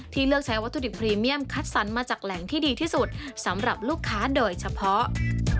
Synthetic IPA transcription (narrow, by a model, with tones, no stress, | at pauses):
t̪ʰiː˥˩lɯ˥˩ək̚t͡ɕʰa˦˥jwa˦˥t̪ːu˧di˨˩pʰɾiː˧mi˥˩əmkʰa˦˥t̪̚sa˩˦nmaː˧t͡ɕaː˨˩k̚lɛ˩˦ŋt̪ʰiː˥˩diː˧t̪ʰiː˥˩su˨˩t̪̚sa˩˦mɾa˨˩p̚luː˥˩kʰːaː˦˥doː˧jt͡ɕʰa˧pʰɔ˦˥ʔ